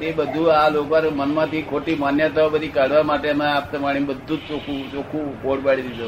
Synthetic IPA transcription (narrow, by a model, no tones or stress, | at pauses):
t̪ebəd̪ʱualokaɾmənmãt̪ʰikʰoʈimanjət̪aobəd̪ʱikaɽ̤ʋamaʈemẽap̚t̪əmaɭibəd̪ʱːũt͡ʃokʰut͡ʃokʰukoɽbaɽ̤id̪id͡ʒ̪o